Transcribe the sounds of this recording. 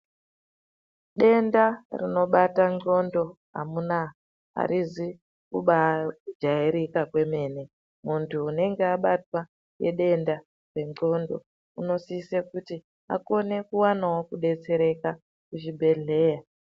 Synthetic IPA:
ɗe̞ndarino̞ɓataŋ͡ǃo̞ndo̞ɦa̰muna | ɦa̰ɾizi | kuɓad͡ʒaiɾikakwe̞me̞ːne̞ | muntʰuːne̞ŋɡe̞aɓatwa | jeɗe̞nda | re̞ŋ͡ǃo̞ndo̞̰ | uno̞siːsekuti | a̰ko̞ne̞kuwanawo̞kuɗe̞t͡se̞ɾe̞ka | kuʃibʱe̞ɮe̞ːja

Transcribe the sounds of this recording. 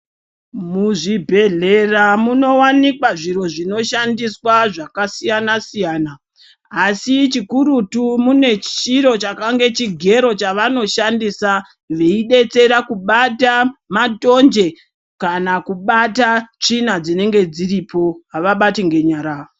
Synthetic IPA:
muʐibʱe̞ɮe̞ramuno̞wanikwaʐiɾo̞ʐino̞ʃandiswaʐakasijanasijaːnaː | sit͡ʃikuɾutumune̞t͡ʃiɾo̞t͡ʃakaŋɡe̞t͡ʃiɡʱe̞ɾo̞t͡ʃaʋano̞ʃandisa | ʋeiɗe̞t͡se̞ɾakuɓatamato̞nd͡ʒe̞ | kanakuɓatat͡ʂinad͡zine̞ŋɡe̞d͡ziripʰo̞ɦaʋaɓatiŋɡe̞ɲaːɾaːo

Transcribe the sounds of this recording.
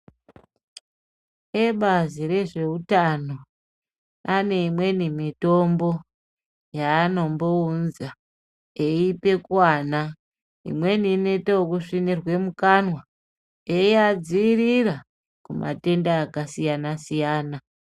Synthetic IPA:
eɓaziɾe̞ʐe̞utano̞ | ane̞imwe̞nimito̞mbo̞ | jaːno̞mbo̞unza | eipe̞kuwaːna | ḭmwe̞nine̞teokuʂinirwe̞mukanwa | eiad͡ziirira | kumʔa̰te̞ndaːkasijanasijaːna

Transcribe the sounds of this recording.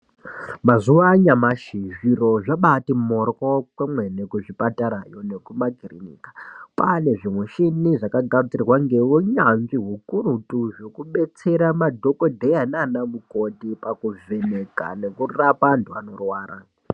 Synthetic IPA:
mazuwaɲamaʃiʐiroʐaɓatimorkokwamwenekuʐipataɾajo̞ne̞kumaɡʱirinḭkḁpane̞ʐimweʃiniʐakaɡʱad͡zirwaŋɡe̞uɲanʐiɦukurutuʐo̞kuɓe̞t͡se̞ɾamadʱo̞kodʱejananamukotipakuve̞neka̰ne̞kurapantʰuano̞rwaːrʔa

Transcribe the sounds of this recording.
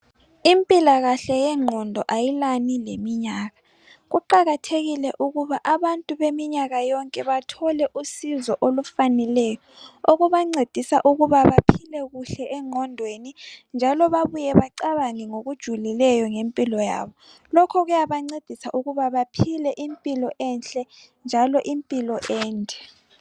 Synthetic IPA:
impʼilaɣaɬɛjɛŋ͡ǃʱɔndʱɔʔajilanilemiɲaːɣa | ɣuǃaɣatʰeɣilɛʔuɣuβaʔaβantʼuβemiɲaɣajɔŋkʼɛβatʰɔlɛʔusizɔʔolufanɛlɛjɔoɣuβaŋ͡ǀed̥ʱisa̰ʔuɣuβaβapʰilɛɣuɬɛʔɛŋʱɔndʱwenind͡ʒʱalɔβaβujɛβaǀaβaŋiŋoɣud̥ʒ̥ʱulilɛjɔŋempʼilɔja̰βɔ | lɔkʰɔɣujaβaŋ͡ǀed̥ʱisaʔuɣuβaβapʰilɛʔimpʼilɔʔɛnɬʼɛ | nd͡ʒʱalɔʔimpʼilɔʔɛːntɛ̥

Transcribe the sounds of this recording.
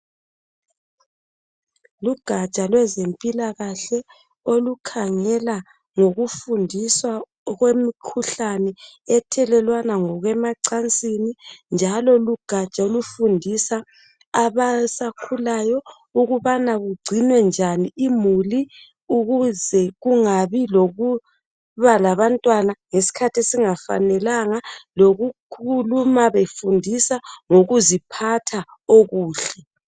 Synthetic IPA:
luɡ̥ʱḁt͡ʃʼalwɛzempʼilaɣaɬɛ | olukʰaŋɛla | ŋoɣufundʱiswa | ɣwemikʰuɬanɛɛtʰɛlɛlwanaŋɔɣwɛmaǀant͡sʼinind͡ʒʱalɔluɡ̥ʱḁt͡ʃʼaolufundʱisaː | βasakʰulajɔ | uɣuβanaɣuɡ͡ǀʱinwɛnd͡ʒʱaniimuli | uɣuzɛɣuŋaβiloɣu | βalaβantʼwanaŋesi̥kʰatʰesiŋafa̰nɛlaŋaloɣukʰulumaβefundʱisaŋoɣuzipʰatʰa | oɣuːɬɛ

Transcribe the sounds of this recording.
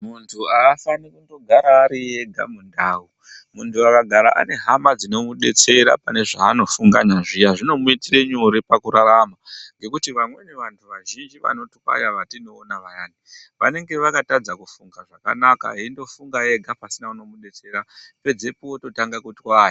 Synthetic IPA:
muntʰuaːfanikundo̞ɡʱaɾaːɾije̞ɡʱa̰mundawu | muntʰuakaɡʱaɾaʔa̰ne̞ɦamad͡zino̞muɗe̞̰t͡se̞ɾa̰pane̞ʐaːno̞fuŋɡaɲaʐijaʐino̞muitireɲuɾipakuɾaɾamaŋɡe̞kutiʋamwe̞ne̞ʋantʰuʋaʒind͡ʒiʋa̰no̞twa̰jaʋatino̞ːnaʋajaːniʋa̰ne̞ŋɡe̞ʋakatad͡zakufuŋɡaʐaka̰naka̰ɦiindo̞fuŋɡaje̞ɡʱapasinauno̞muɗe̞t͡se̞ɾape̞d͡ze̞puwo̞to̞taŋɡakutwaːja

